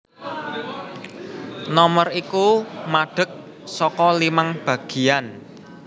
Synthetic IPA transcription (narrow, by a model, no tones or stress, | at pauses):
nɔmərikumaɖ̥ə̤k̚ | sɔkɔlimaŋb̥a̤ɡ̥i̤an